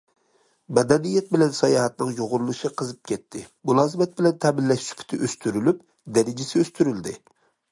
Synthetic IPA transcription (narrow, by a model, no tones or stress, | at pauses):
mɛd̪ɛnijɛt̪̚bɪlɛnsɑjɑːɦɛt̪̚nɨŋjoʁʊɾulˠuʃiqʰəzɨp̚kʲʰɛt̪ʰːɪmulˠɑːzɨmɛt̪̚bɪlɛnt̪ʰɛmɪlːɛʃʃy̥pʰɪ̥t̪ʰɪʔøst̪ʰyɾylyp̚ | d̪ɛɾɪd͡ʒɪsɪøst̪ʰyɾyld̪ɪ